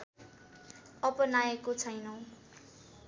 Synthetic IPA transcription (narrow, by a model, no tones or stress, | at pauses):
ʌpʌnaekot͡sʰʌjnʌw̃